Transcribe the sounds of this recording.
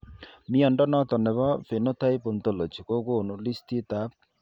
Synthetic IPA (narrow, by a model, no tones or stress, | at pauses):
miɔɳʈɔnɔt̪ɔnebɔfʰenɔt̪ʰajpɔnt̪ɔlot͡ʃʰikokoonulist̪ʰit̪ap̚